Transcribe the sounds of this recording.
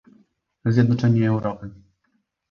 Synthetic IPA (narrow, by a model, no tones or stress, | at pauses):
zʲjɛd̪nɔt͡ʂɛɲɛːwɾɔpɘ